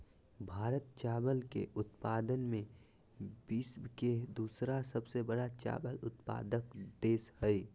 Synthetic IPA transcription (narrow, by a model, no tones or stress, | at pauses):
bʱaːɾət̪̚t͡ʃaːbəlkḛʔʊt̪paːd̪ənmẽ | bɪsbked̪uːsɾasəbsebəɽat͡ʃa̰ːbəlʊt̪pa̰ːd̪əkd̪eːshəi